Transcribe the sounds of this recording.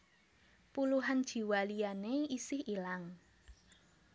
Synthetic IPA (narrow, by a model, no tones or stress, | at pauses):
puluɦand̥ʒ̥i̤walijaneisɪhilaŋ